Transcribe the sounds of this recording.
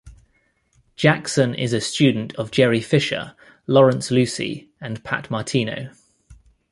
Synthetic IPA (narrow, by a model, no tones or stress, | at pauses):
d̥ʒ̥aksə̃nɪ̰zəst͡ʃʉːdⁿn̩tʰəvd͡ʒɛɹifɪʃə̰ | lɒɹə̃nslʉˑsḭ | ə̃npʰa̰ʔmɑˑtʰiːnə̰ʊ